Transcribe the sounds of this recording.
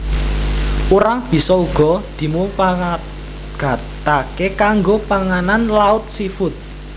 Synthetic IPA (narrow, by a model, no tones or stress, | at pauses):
uɾaŋb̥i̤sɔuɡ̥ɔ̤d̪̥i̤mupa | ɡ̥a̤t̪akekaŋɡopaŋananlaʊt̪̚sifʊt̪̚